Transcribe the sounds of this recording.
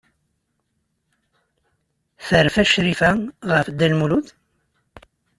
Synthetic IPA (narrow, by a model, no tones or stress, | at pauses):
θəɾfæʃɾifæʁəfd̪ːælmuluθ